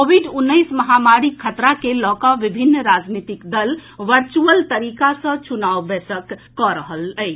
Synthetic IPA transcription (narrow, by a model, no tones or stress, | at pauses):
kobʱiɖunːəɪsməɦamaɾikʰːət̪ɾakelɔkaʋibʱinːɾad͡ʒnit̪ikd̪əlʋəɾt͡ʃuəlt̪əɾikasə̃t͡ʃunawbesəkː | ɔɾəɦələɪ